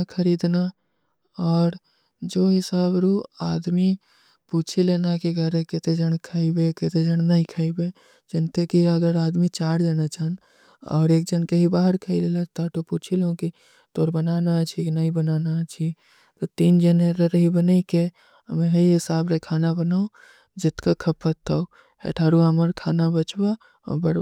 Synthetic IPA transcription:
kʰəɾiːd̪na | ɔːɾ | d͡ʒoːɦɪsaːbɾuːaːd̪mi | puːt͡ʃʰileːnakiɡʱəɾẽkɪt̪ed͡ʒəɽ̃kʰaːibekɪt̪ed͡ʒəɽ̃naɦĩkʰaːibe | d͡ʒɪnt̪ekiɐɡəɾaːd̪mit͡ʃaːɾd͡ʒeːnat͡ʃan | ɔ̰ːɾeːk̚d͡ʒənkeɦibaːɦəɾkʰailelat̪at̪opuːt͡ʃʰileõki | t̪oːɾbənaːnat͡ʃʰinɐɦĩbənaːnat͡ʃʰi | t̪ot̪iːnd͡ʒəneɾəɾɦibənaike | mẽɦəiɦɪsaːbɾekʰaːnabənao | d͡ʒɪt̪kakʰəpʰət̪ʰːa | ḛʈʰaːɾuaməɾkʰaːnabət͡ʃba | ɔ̰bəɽ

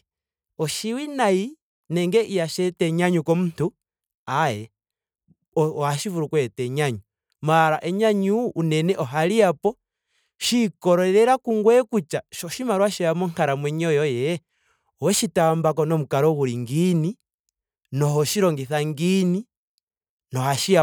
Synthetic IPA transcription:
ɔʃiwinaji | nɛŋɡɛʔijaʃɛtɛɲaɲukɔmuntu | ajɛ | haʃivuɾukwɛtɛɲaɲu | maɾaʔɛɲaɲuʔːnɛnɛʔɔɦaliapɔ | ʃikɔɾɔɛɾɛɾakuŋɡwɛkut͡ʃaʃɔʃimaɾwaʃiamɔŋkaɾamwɛɲɔjɔjɛ | ɔwɛʃitambak̬ɔnɔmukaɾɔɣuɾiŋɡini | nɔɦɔʃiɾɔŋɡiθaŋɡini | nɔhaʃia

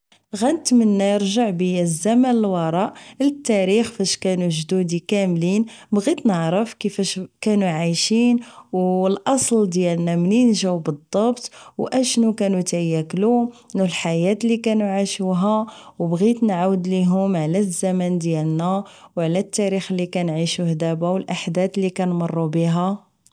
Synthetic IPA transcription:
ɣænt̪mənːæjəɾʒaʕbəjæzæmænəlwɑɾˤɑʔlət̪ːæɾixfæʃkænuʒd̪ud̪ikæmlinbɣit̪nəʕɾəfkəfæʃkænuʕajʃinwlʔɑsˤld̪jælnæmninʒæwbəd̪ˤːɑbt̪ˤwʔæʃnukænut̪jːæklunlħajæt̪likænuʕaʃuɦæwbɣit̪nʕawəd̪liɦʊmʕlæzːæmænd̪jælnæwʕlæt̪ːæɾixəlːikænʕiʃuhd̪æbæwəlʔaħd̪æt̪lːikænmərˤːubiɦæ

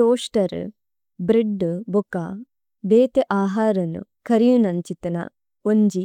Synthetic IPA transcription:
ʈoːʂʈɐɾ̰ | bɾiɖːbuka | d̪eːt̪eʔaːɦaːɾɐnṵkɐɾijunɐnt͡ʃit̪ɐnɐ̰ | oɲd͡ʒi

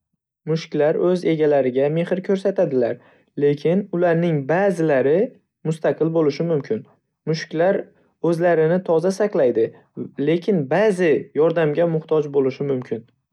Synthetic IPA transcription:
mʊʃkʲlaɾɵze̞ɡʲalaɾɪɡʲame̞hɪɾkʲʰɵɾsat̪ʰad̪ɪlaɾ | le̞kʲʰɪnʊlaɾnɪŋbaːzɪlaɾɪ | mʊst̪aqʰɨlˠbolɪʃɪmʊmkʲʰɪn | mʊʃkʲlaɾ | ɵzlaɾɪnɪt̪ʰɒzasɑqlˠajd̪ɪ | le̞kʲʰɪnbazɪjɒɾd̪amɡʲamʊht̪ʰɒd͡ʒbolɪʃɪmʊmkʲʰɪn

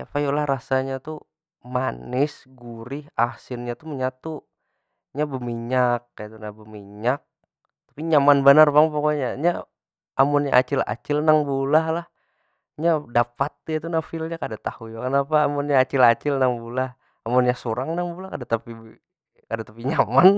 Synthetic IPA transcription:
japajolahɾasaɲat̪u | manɪsɡuɾɪhasɪnɲat̪uməɲat̪u | ɲabəmiɲak̚ːajit̪unabəmiɲak̚ | t̪ḁpiɲamanbənarbaŋpokoɲaɲa | amɔnɲa̰ʔat͡ʃɪla̰t͡ʃɪlnaŋbulahlah | ɲadapat̪̚ːjat̪unafɪlɲakadat̪ahujakənapaːmɔnɲaːt͡ʃɪlat͡ʃɪlnaŋbulah | amɔnɲasuɾaŋnaŋbulahkadat̪api | kadat̪apiɲaman

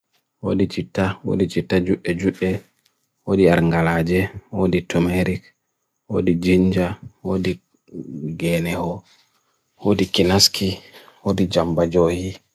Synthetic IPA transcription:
wo̰dit͡ʃitːawo̰dit͡ʃitːad͡ʒuɓːɛd͡ʒuɓːɛ | wodiaɾŋɡalaːd͡ʒɛwoditɔmeɾik | wo̰did͡ʒiɲd͡ʒawodi | ɡɛnɛhɔ | wodikinaskʰiwodid͡ʒambad͡ʒoːhi

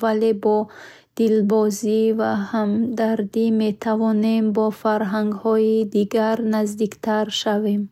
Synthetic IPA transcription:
vale̞bɔ | d̪̥ilbɔzivahamd̪aɾd̪ime̞t̪ʰavɔne̞mbɔfaɾɦaŋɡhɔid̪iɡaɾnazd̪ikt̪ʰaɾʃavem

